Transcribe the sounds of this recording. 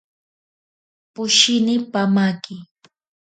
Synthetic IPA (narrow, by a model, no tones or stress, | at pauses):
pʊʃɪnɪpamakɪ